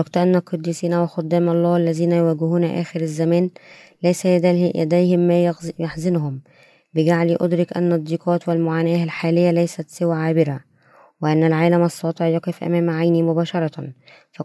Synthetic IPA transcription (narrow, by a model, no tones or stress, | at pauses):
wɑɡt̪ʔænːælqɑd̪ːisiːnæwɑxɑd̪ːæːmɑlˤːɑːalːæziːnæjʊwæːɡɪhuːnæʔæ̰ːxɪɾæzːæmæːnlæjsæjʔæ̰d̪æjhɪmːæːjjeħzɪnhʊm | bɪɡaʕliːʔo̰d̪ɾɪkʔæ̰nːɑd̪ˤːiːqɑːt̪wɪlmoʕaːnæːhælħaːlɪjːælæjsæt̪sɪwæʕaːbɪɾæ | wɪʔænːælʕaːlæmʔɑsˤːɑːt̪ˤeʕjɑqefʔæ̰mæːmʕajnimʊbæːʃɑɾˤɑ | fæ